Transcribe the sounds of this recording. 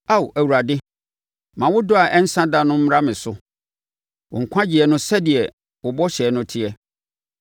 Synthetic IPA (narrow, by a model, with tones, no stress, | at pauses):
a˦˨wæ˨wu˨ɾa˨dɪ˦ | mã˨wʊ˦dʊ˦a˨ʔɛ˦n̩˦sã˦dã˨nʊ̃˦m̩˦ɾa˦mɪ̃˨sʊ˦ | wʔʊ̰˨ŋ̩˨kʷʰã˦d͡ʑɪ˨ɛ˨nʊ̃˦sɛ˦dɪ˨ɛ˨ | wʊ˨bɔ˦ɕɛː˨˦nʊ̃˦tʰɪ˦ɛ˦